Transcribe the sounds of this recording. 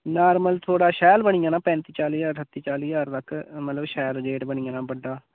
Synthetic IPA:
naːɾməlt̪ʰoːɽaːʃɛːlbəɳ̃iːãːnãːpɛ̃ːnt̪iːt͡ʃaːliːəɾsət̪ːiːt͡ʃaːliːaːɾt̪əkːmət̪ləbʃɛːld͡ʒeːʈbəɳ̃ɪːãːnãːbəɖːaː

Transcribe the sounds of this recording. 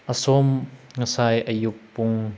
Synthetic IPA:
ʔəsɔmŋəsajʔəjuk̚pʊŋ

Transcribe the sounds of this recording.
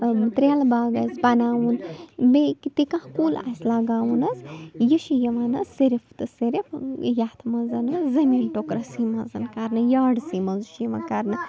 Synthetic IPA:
t̪ɾelbaːɡɐsbɐnaːʋunbekit̪ikãhkuːla̰sʲlaːɡaːwunɐsjiʃijɐʋaːnɐːiɾift̪ɨseɾifjaːt̪ʰmɐzɐnɐzɐmiːnʈokɾɐsimɐzɐnkɐɾnɨjaːɖsimɐzuʃjiʋɐ̰kɐɾnɨ

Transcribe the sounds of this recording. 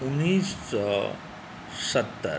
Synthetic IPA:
unːissɔ | sət̪ːə̰

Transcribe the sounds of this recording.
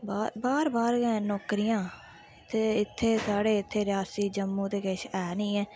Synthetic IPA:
baːbaːɾbaːɾɡɛ̃ːnɔːkɾɪjãː | t̪ʰːeːɪt̪ʰːeːsaːɽeːɪt̪ʰːeːɾɪjaːsiːd͡ʒəmːũːt̪eːkeʃɛːnĩːɛ̃ː

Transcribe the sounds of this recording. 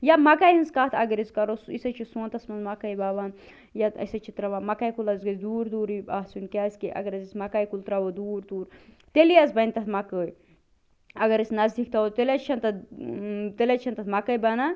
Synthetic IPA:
jamɐkajɦɐnskaːt̪ʰɐɡɐɾiskɐɾosisɐt͡ʃʰisõːnt̪ɐsmɐnzmɐkɐjbaːʋan | jaɐ̰sɐt͡ʃʰit̪ɾɐʋaːmɐkajkulɐzɡɐsd̪uːɾd̪uːɾiaːsunkʲaːsʲkiʔɐ̰ɡɐɾɐzismɐkajkult̪ɾɐʋod̪uːɾd̪uːɾ | t̪elijazbɐnʲt̪ɐt̪ʰmɐkəːj | ɐɡɐɾɐsʲnɐzd̪ik̚t̪ɐot̪elʲɐt͡ʃʰɐnt̪ɐ | t̪elʲɐt͡ʃʰɐnt̪ɐt̪ʰmɐkəjbɐna

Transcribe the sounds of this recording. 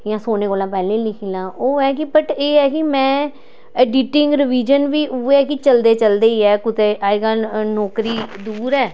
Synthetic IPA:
jãːsoːneːkoːlãːpɛːlẽːlɪkʰiːlãːʔoːɛːkɪpəʈeːɛːkɪmɛ̃ː | əɖɪʈɪ̃ŋɡɾɪʋiːd͡ʒənʋiːʔʊɛːkɪt͡ʃəld̪eːt͡ʃəld̪eːɛːkʊt̪eːʔaːeɡaːnɔːkɾiːd̪uːɾɛː

